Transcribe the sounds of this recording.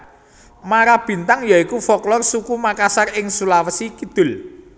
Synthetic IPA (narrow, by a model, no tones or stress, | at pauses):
maɾab̥i̤nt̪aŋjaikufɔklɔrsukumakasarɪŋsulawəsikid̪̥ʊ̤l